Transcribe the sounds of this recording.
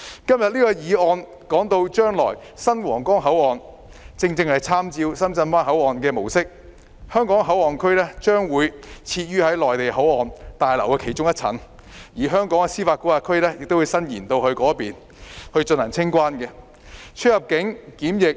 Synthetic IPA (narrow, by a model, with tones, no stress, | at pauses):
kɐ˥mjɐ˨t̚liː˥kɔː˧jiː˨˧ɔː˨˧n | kɔː˨˥ŋt̪o˧wt͡ʃœː˥ŋlɔː˨˩j | sɐ˥nwɔ̰ː˨˩ŋkɔː˥ŋɦɐ˨˥wɔː˨n | t͡sɪ˧ŋt͡sɪ˧ŋhɐ˨jt͡sʰaː˥mt͡siː˧wsɐ˥mt͡sɐ˧nfaː˥nɦɐ˨˥wɔː˨nkɛː˧mo˨˩wsɪ˥k̚ | hœː˥ŋkɔː˨˥ŋɦɐ˨˥wɔː˨˩nkʰɵ˥ɥlɛː˥t͡ʃœː˥ŋwuː˨˧jt͡sʰiː˧t̚jyː˥hɐ˨˥jlɔː˨jt̪e˨jɦɐ˨˥wɔː˨˩nt̪aː˨jlɐ˨˩wkɛː˧kʰe˨˩jt͡ʃʊ˥ŋjɐ˥t̚t͡sʰɐ̰˨˥n | jiː˨˩ɦœː˥ŋkɔː˨˥ŋa˧siː˥faː˧t̚kuː˨˥aː˧kʰɵ˥ɥlɛː˥jɪ˨k̚t̪o˥wːjsɐ˥njiː˨˩nt̪o˧whɵ˧ɥkɔː˨˥piː˨n | hɵ˧ɥt͡ʃɵ˧nhɐ˨˩ŋt͡sʰɪ˥ŋkʷwaː˥nkɛ˧ | t͡ʃʰɵ˥t̚hɐ˨p̚kɪ˨˥ŋkiː˨˥mjɪ˨k̚